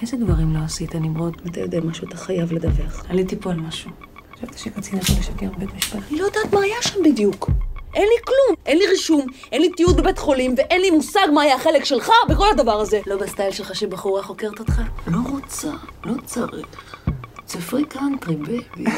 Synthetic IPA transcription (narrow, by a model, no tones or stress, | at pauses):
ʔezed̪vaʁimlo̞asit̪animʁoot̪met̪a̰jod̪emaʃuat̪aχajavled̪aveχanit̪ipoalmaʃu | χaʃavt̪ḁʃekat͡sinataleʃakeʁbetmiʃpalalojad̪aːt̪maːjaʃambid̪jukʔenliklumʔe̞nliʁiʃumʔe̞nlit̪iud̪bebetχo̞limveʔenlimusaɡmaːjaχe̞lekʃe̞lχabeko̞lad̪avaʁaze̞lo̞bast̪ajlʃelχaʃebaχuʁaχo̞keʁt̪ot̪χalo̞ʁot͡salo̞t͡saʁi | t͡sifʁikantʁibev